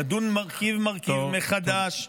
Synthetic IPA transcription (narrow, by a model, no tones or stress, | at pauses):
ad̪unmaʁkivmaʁkivmeχad̪aʃ